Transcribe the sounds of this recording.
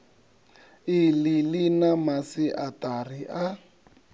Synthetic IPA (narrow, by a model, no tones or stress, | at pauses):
ɪlɪlɪnamasɪʔatariʔa